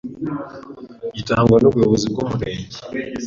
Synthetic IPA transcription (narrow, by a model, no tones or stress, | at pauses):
itaːŋɡwanoβweβozib̚ɡoːmuɾeːɲɟi